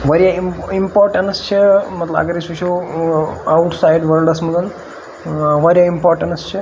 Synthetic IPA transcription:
ʋɐɾjɐiimpoːɾʈɐɳst͡ʃʰɐmɐt̪lɐa̰ɡɐɾisuʃoː | ɐwʈsajɖʋɐɾlɖɐsmud̪ɐn | ʋɐɾjɐimpaːɾʈɐɳɐst͡ʃʰɐ

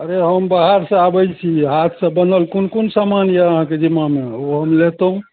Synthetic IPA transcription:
əɾeɦəmbaɦəɾsə̃abəjt͡ʃʰiɦat̪ʰsəbənəlkonkonsamanjaəɦãked͡ʒimːameoɦəmlet̪eɦũ

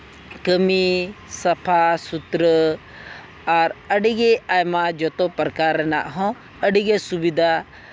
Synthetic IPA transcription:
kəmisɐpʰasut̪ɾə | aɾəɖiɡeaːjmãd͡ʒɔt̪opəɾkaːɾɛna̰ʔɦɔ̃ | əɖiɡesubid̪ʱa

